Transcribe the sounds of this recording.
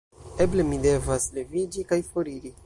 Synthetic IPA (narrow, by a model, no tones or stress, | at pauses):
e̞ble̞mide̞vasle̞vid͡ʒikajfo̞ɾiɾi